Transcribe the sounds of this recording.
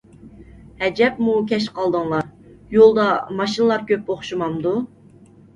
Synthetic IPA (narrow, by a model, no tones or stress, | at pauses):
hɛd͡ʒɛpmukʲʰɛʃqʰɑlˠd̪əŋlˠɑɾ | jolˠd̪ɑmɑʃinəlˠɑɾkʲøpoχʃumɑmd̪u